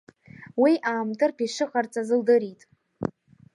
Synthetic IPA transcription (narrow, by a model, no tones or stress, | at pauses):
wiʔaːmtʰʼɨrpʰiʂɨχart͡sʼazɨldɨɾitʼ